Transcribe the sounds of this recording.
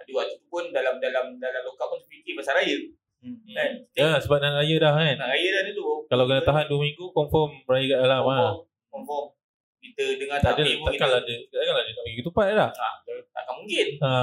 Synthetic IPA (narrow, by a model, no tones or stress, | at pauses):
aduat̪ut̪upʊndalamdalamdalamlokaʔunt̪ʊ̥ʔpikimasaɾajə | kaniəsəbap̚nanaʔɾajədahkanaʔɾajədahdud̪ukalawkənət̪aɦanduəmiŋɡukɔmfɔmrajəkadalama | kɔmfɔm | kit̪ədəŋaadəlat̪akanladəkat̪akanladət̪aʔmĩɡut̪upat̪̚lahat̪a̰kamuŋkɪna